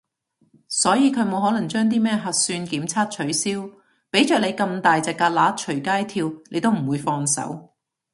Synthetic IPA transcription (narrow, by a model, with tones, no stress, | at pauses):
sɔː˨˥jiː˨˧kʰɵ˨˧˥mo˨˧whɔː˨˥lɐ˨˩ŋt͡ʃœː˥ŋt̪̬iː˥mɛː˥ɦɐ˧t̚syː˧nkiː˨˥mt͡sʰaː˥t̚t͡ʃʰɵ˨˥ɥsiː˥w | pe˨˥jt͡ʃœː˨˩le˨˧jkɐ˧mt̪aː˨jt͡sɐ˨˩kːaː˧t̚laː˨˥t͡ʃʰɵ˨˩ɥkaː˥jt̪ʰiː˧wne˨˧jt̪o˥wm̩˨˩wuː˨˧jfɔː˧ŋsɐ̰˨˥w